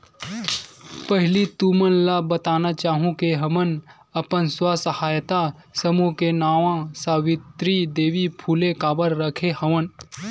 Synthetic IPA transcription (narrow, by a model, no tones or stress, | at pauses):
pəɦɪlit̪umənlabət̪aːnat͡ʃaːɦũkeɦɐmən | ɐpənswasəhaːjt̪asəmukenaːʋãsaːwɪt̪ɾid̪eːʋipʰuːlẽkaːbəɾɾəkʰehɐʋən